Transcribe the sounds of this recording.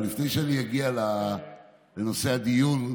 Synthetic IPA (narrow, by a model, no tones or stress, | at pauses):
lifnejʃeanijaɡiala | lenose̞ad̪ijun